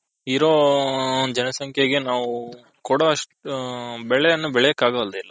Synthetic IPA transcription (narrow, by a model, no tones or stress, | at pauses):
iɾoː | d͡ʒɐnɐsɐŋkʰjeɡe̞naːʋu | kɔːɽɐɐʂʈ | bɛɭɛɐnːubɛɭɛjɐkːaːɡɐɐld̪eilːɐ